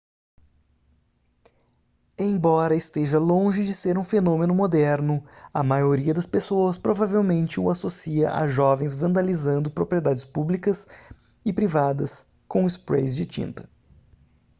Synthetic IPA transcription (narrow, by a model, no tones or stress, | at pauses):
ẽj̃bɔɾɐɪst̪eʒɐlõʒɪd͡ʒɪseɾũfenõmẽnʊmod̪ɛɾnʊɐmajoɾiɐd̪ɐspesoɐspɾovavewmẽnt͡ʃɪʊasosiɐ̰ʔa̰ʒɔvẽj̃zvɐ̃nd̪alizɐ̃nd̪ʊpɾopɾied̪ad͡ʒɪspublikɐs | ɪpɾivad̪ɐs | kõɪspɾḛjzd͡ʒɪt͡ʃḭ̃nt̪ɐ̥